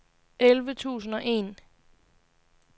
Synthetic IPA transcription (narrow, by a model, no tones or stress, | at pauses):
elʋət͡sʰṵːsn̩ɒ̽ʔe̝̰ːn